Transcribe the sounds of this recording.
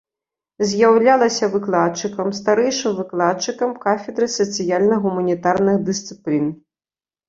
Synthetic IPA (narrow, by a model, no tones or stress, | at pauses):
zʲjawlʲalˠɐsʲɐvɨklˠat̪̚t͡ʂɨkɐmst̪aɾɛjʂɨmvɨklˠat̪̚t͡ʂɨkɐmkafʲɛd̪ɾɨsɐt̪sɨjalʲnɐɣumɐnʲit̪arnɨxd̪ɨst̪sɨplʲin